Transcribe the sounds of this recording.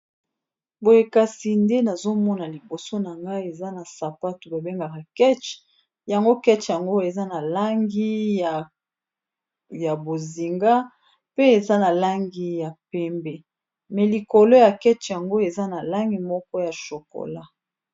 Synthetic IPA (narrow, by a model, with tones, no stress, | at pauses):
bo˨je˨ka˨si˨nde˦na˨zo˦mɔ˦na˨li˨bo˨so˦na˨ŋɡa˦i˦e˨za˦na˨sa˨pa˦tu˨ba˨be˦ŋɡa˨ka˨kɛ˦t͡ʃ | ja˨ŋɡo˦kɛ˦t͡ʃja˨ŋɡo˦e˨za˦na˨la˦ŋɡi˦˨ | ja˨bo˨zi˨ŋɡa˦ | pe˦e˨za˦na˨la˦ŋɡi˦ja˨pɛ˦mbɛ˦ | mɛ˨li˨ko˨lo˦ja˨kɛ˦t͡ʃja˨ŋɡo˦e˨za˦na˨la˦ŋɡi˨mɔ˦kɔ˦ja˨ʃo˨ko̰˨la˦